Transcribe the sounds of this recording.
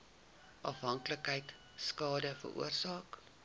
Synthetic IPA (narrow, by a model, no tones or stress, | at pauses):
ʔɑfɦɐŋkləkɦɛjt | skɑːdəfə̰rʔṵərsɑːk